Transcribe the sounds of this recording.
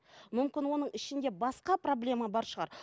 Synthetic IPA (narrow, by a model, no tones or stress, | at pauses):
mʏmkʲɪnwo̞nəɴɪʃɪnd̪e̞bɑsqɑpro̞blʲe̞mɑbɑɾʃəʁɑɾ